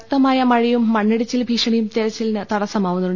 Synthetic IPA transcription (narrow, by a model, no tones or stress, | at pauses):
t̪ːɐmaːjɐmɐɻijumːɐɳːɐɽit͡ɕːilbʱiːʂɐɳijumt̪iɾɐt͡ɕːilnɨt̪ɐɽɐsɐmaːʋunːɐʋu